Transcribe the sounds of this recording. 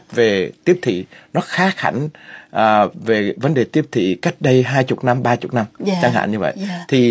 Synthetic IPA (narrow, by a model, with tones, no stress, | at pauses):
ve˨˩t̪i˦˥əp̚t̪ʰḭ˧˨nɔ˨˦xaː˨˦xa̰˧˩jŋ̟ʔəː˨˩ve˨˩və˨˦nɗe˨˩t̪i˦˥əp̚t̪ʰḭ˧˨ka˦˥jk̟̚ɗə˧jɦaː˧jt͡ɕʊ˨˩k͡p̚na˧mɓaː˧t͡ɕʊ˨˩k͡p̚na˧mt͡ɕa˧ŋɦa̰ː˧˨nɲɨ˧və̰˧˨jt̪ʰi˨˩